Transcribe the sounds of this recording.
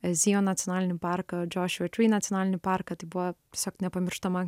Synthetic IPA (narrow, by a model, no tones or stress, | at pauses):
ziɔnat̪sijonalʲnipaɾkad͡ʒɔːʃʋɛtɾinat̪ʲionalʲnipaɾkat̪ibua | i̥sɔk̪̚nɛpɐmʲɾʃt̪ɐma